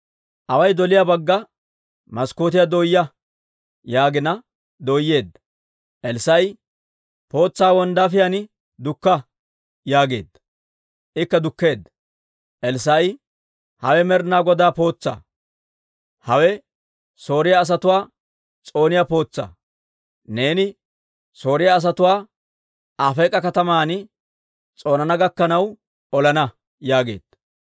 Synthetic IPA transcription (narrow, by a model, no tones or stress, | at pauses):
ʔɐwɐjd̪ɔlɪjabɐɡːɐ | mɐskoːt̪ɪjɐd̪oːjːɐ | jaːɡɪnɐ | d̪oːjːeːd̪ːɐ | ʔɛlsɐj | po̞ːt͡sːaːwɔnd̪aːfɪjanɪ | d̪ʊkːɐ | jaːɡe̞̰ːd̪ɐ | ʔɪkːɐd̪ʊkːe̞ːd̪ːɐ | ʔɛlsɐj | hɐwɛmɛɾnaːɡɔd̪aːpo̞ːt͡sːa̰ː | hɐwɛ | so̞ːɾɪjaːs̬ɐt̪ʊwaː | t͡sʼo̞ːnɪjaːpo̞ːt͡sːa̰ː | ne̞ːnɪ | so̞ːɾɪjaːs̬ɐt̪ʊwaː | ʔaːfɛjkʼɐkɐt̪ɐmaːnɪ | t͡sʼo̞ːnɐnɐɡɐkːɐnɐw | ɔlɐnɐ | jaːɡe̞̰ːd̪̥ɐ